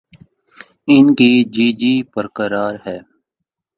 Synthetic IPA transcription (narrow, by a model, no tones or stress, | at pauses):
ɪnkid͡ʒiːd͡ʒiːpəɾkəɾaːɾɦɛː